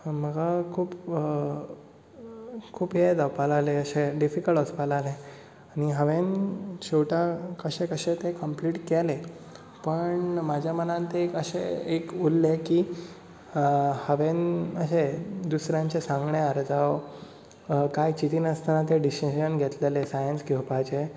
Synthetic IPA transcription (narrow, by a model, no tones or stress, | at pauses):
məɡakʰuːp | kʰuːpɦed̪apalaleəɕeɖifikəɭɔspalale | añiɦəʋent͡ɕewʈakəɕẽkəɕẽt̪ekəmpliːʈkɛle | pəɳmad͡ʑʱjamənãnt̪ekəɕḛekulːeki | həʋenəɕed̪usɾjãɲt͡ɕesãŋɡɳeəɾd͡zaʋ | kajt͡ɕit̪iːnəst̪ʰanat̪̬eɖiɕiɕənɡʱɛt̪lelesajənsɡʱewpat͡ɕe